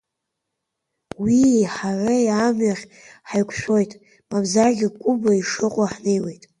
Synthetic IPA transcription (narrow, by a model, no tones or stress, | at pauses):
wiħaʕʷajamɥaχʲ | ħajkʷʰʃʷᶣo̞jtʼ | mabzaɡʲɪkʷʼʊbaiʂɨqʼaħnejwe̞jtʼ